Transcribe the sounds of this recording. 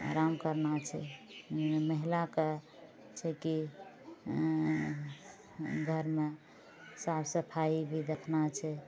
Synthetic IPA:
a̰ɾamkəɾnat͡ʃʰɛ | məɦilake | t͡ʃʰɛki | ɡʱəɾme | sabsəpʰaibʱid̪ekʰnat͡ʃʰɛ

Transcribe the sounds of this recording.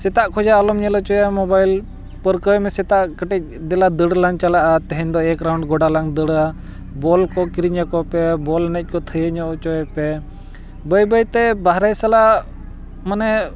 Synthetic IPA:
sɛt̪aʔkʰɔd͡ʒaːlɔmɲɛlɔt͡ʃɔjamɔbajl | pəɾkəjmɛsɛt̪aʔkəʈɛc̚d̪ɛlad̪əɽlaɲt͡ʃalaʔat̪ɛɦɛɲd̪ɔɛkɾawɳɖɡɔɖalaŋd̪əɽa | bɔlkɔkiɾiɲakɔpɛbɔlnɛc̚ˀkɔt̪ʰəjeɲɔʔɔt͡ʃɔɛpɛ | bəjbəjt̪ɛbaɦɾɛjsala | manɛ

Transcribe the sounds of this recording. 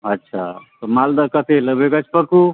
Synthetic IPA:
ɐtːʃʰa̰t̪omald̪akət̪ʰeləbeɡət͡ʃʰpəku

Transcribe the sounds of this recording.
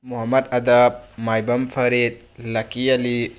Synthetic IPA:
muɦɐmɐd̚ɐdɐp̚majbɐmpʰɐɾet̪̚lakiali

